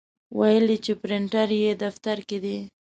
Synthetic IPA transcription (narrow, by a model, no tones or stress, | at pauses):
wajəlit͡ʃepɾɪɳʈaɾjed̪aft̪aɾked̪i